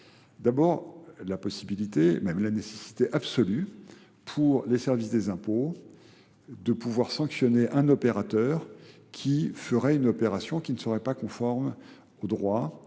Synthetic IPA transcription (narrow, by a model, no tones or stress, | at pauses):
d̪abɔʁlapɔsibilit̪emɛmlanesesi̥t̪eʔabsɔly | pʰuʁlesɛʁvisd̪ezɛ̃po | d̪əpuvwaʁsɑ̃ksjɔneʔɛ̃nɔpeʁat̪œʁ | kʲʰifəʁɛynɔpeʁasjɔ̃kʲinəsəʁɛpakɔ̃fɔʁm | od̪ʁwa